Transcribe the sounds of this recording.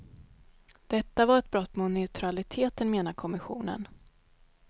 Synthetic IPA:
d̪̥ɛt̪ːavaɾɛt̪̚bɾɔt̪ːmʊnɛʊt̪ʰɾalɪt̪ʰeːt̪ənmeːnaɾkʰɔmɪɧṵːnə̰n

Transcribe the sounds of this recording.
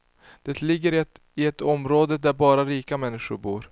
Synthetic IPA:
d̪̥ɛt̪lɪɡːəɾ | ɪɛt̪ɔmɾoːd̪əd̪æɾbɑːɾaɾiːkamɛnːɪʂʊɾbuːɾ

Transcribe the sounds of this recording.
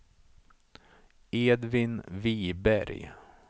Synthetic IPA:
eːd̪vɪnviːbæɾj

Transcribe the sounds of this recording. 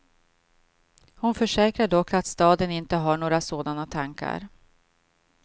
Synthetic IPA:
hʊnfœʂɛːkɾaɖɔkːat̪st̪ɑːd̪ənɪnt̪əɦaɳoːɾasoːd̪anat̪ʰaŋka̰ɾ

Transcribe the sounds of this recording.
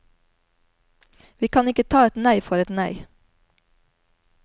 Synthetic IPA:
ʋiːkʰɑnɪkət̪ʰɑːɛt̪næɪfɔɾɛt̪næɪ

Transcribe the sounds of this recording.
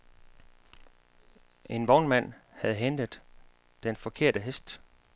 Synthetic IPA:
ʔe̝nb̥ɒʊnmæn̰hæð̞̩ˠɦend̥əð̩ˠ | d̥enfɒ̽kʰe̝ɐ̰d̥əɦesd̥

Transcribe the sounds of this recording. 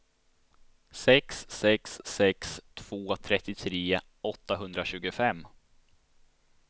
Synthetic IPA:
sɛksːɛkssɛkst̪ʰv̥oːt̪ʰɾɛt̪ːɪt̪ʰɾeː | ɔt̪ːaɦɵnd̪ɾaɕʉ̟ːɡʊfɛmː

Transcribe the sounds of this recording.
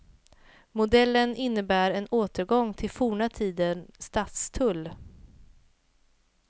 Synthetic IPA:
mʊd̪ɛlːənɪnːəbæːɾɛnoːt̪əɾɡɔŋt̪ʰɪlfuːɳat̪ʰiːd̪ənst̪at̪st̪ʰɵlː

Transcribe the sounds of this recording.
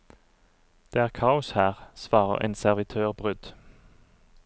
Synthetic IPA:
d̪̥eːæːʁkʰɑːʊshæːʁsʋɑːʁə̰ʁʔḛːnsæʁʋɪt̪ʰøːʁbʁʏd̪̥

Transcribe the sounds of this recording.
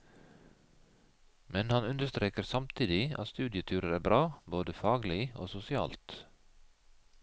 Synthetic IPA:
mɛnhɑnʉnd̪əst̪ɾeːkəɾsɑmt̪ʰiːd̪ɪʔɑ̰tst̪ʉːd̪ɪət̪ʰyːɾəɾæːbɾɑːboːd̪əfɑːɡlɪo̰ːsʊsɪɑ̰ːlt̪

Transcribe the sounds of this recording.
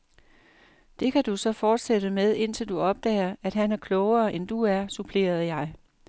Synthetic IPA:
d̥e̝kʰæd̥usɒ̽fɒːd̥seɾəmeð̞ˠe̝n̰t͡sʰe̝ld̥uɒ̽b̥̚d̥ɛ̰ːɪɐæd̥ɦænæɐkʰlɔʊɐːʔend̥uæɐsupʰle̝̰ːɐð̞̩ˠjɑ̈ɪ

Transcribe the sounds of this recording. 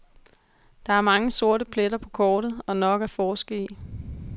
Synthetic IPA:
d̥ɑ̈æɐmɑ̈ŋəso̝ɐ̰ɾəpʰled̥ɐpʰɒ̽kʰɒːɾ̥ð̞̩ˠɒ̽nɒ̽ɡ̥æfɒːsɡ̥əi

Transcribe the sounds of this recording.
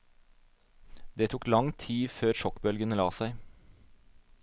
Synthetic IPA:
d̪eːt̪ʰuːklɑŋt̪ʰiːføːɾʃɔkbœlɡənəlɑːsæɪ

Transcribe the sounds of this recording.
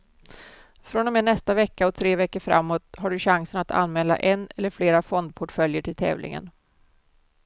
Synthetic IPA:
fɾɔnɔmeːnɛst̪avɛkːaɔt̪ʰɾeːvɛkːəɾfɾa̰mːoːt̪ɦaɖɵɕaŋsənat̪ʰa̰nːmɛːla̰ʔɛnːɛlːəɾfleːɾafɔnd̪̚pʰɔʈfœljəʈʰɪlt̪ʰɛ̰ːvlʔɪ̰ŋə̰n

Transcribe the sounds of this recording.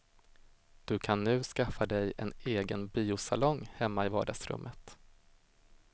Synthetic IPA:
d̪̥ɵkʰanːʉ̟ːskafːad̪ɛjɛ̰neːɡənbiːʊsalɔŋhɛmːaɪvɑːɖasɾɵ̰mːʔət̪

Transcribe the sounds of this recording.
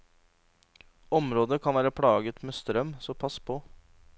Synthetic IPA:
ɔmɾoːd̪əkʰɑnʋæːɾəpʰɽɑːɡət̪meːst̪ɾœmsɔmpʰɑspʰoː

